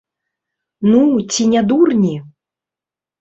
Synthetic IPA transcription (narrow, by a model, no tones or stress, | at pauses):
nut͡sʲinʲad̪urnʲi